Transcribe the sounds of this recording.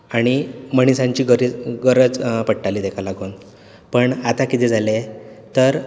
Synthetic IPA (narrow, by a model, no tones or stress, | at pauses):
aɽ̃iməɳ̃isãɲt͡ɕiːɡəɾiɡəɾəd͡zpəʈʈaliːd̪ekʰalaɡuːn | pəɳat̪akit̪ɛd͡zʱalet̪əɾ